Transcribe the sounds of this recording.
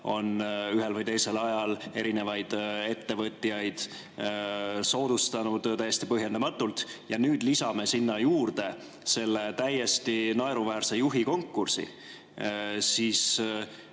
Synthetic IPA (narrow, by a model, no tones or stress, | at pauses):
o̞nyɦe̞lvɯjt̪e̞jse̞lɑjɑle̞ɾine̞vɑjd̪̥e̞t̪ːe̞vɤt̪ʲːˑiɑjd̪̥ | so̞ːd̪̥ust̪ɑnud̪̥t̪æjːe̞st̪ipɤɦje̞nd̪ɑmɑt̪ːˑult̪jɑnyːd̪̥lisɑme̞sinːɑjuːrd̪̥e̞ | se̞lːe̞t̪æjːe̞st̪inɑeɾuvæːrse̞juɦiko̞ŋkːursḭ | siːs